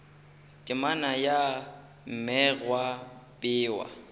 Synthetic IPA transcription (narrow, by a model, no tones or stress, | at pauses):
kʼɪmanaja | m̩mɛrwapʼɪːwa̰